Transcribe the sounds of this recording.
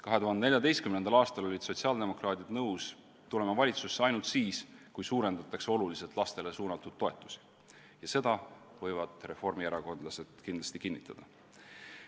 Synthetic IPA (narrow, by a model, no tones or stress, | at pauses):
kɑɦe̞t̪uɦhɑnd̪enejɑd̪ejst̪kymnend̪ɑlɑːst̪ɑlo̞lʲid̪̥so̞t̪siɑld̪e̞mo̞krɑːt̪ʲid̪nɤws | t̪ule̞mɑvɑlʲit̪susːeɑjnult̪siːskujsuːɾe̞nd̪̥ɑt̪ˑːɑkseo̞lulise̞t̪ˑlɑst̪e̞le̞suːnɑt̪ːˑud̪̥̚ːo̞e̞t̪ːˑu̥si̥ | jɑse̞d̪̥ɑ | vɤ̞jvɑd̪̥re̞fo̞rmieɾɑko̞nd̪̥lɑse̞d̪̥kind̪lɑst̪ikinːit̪ˑːɑd̪̥ɑ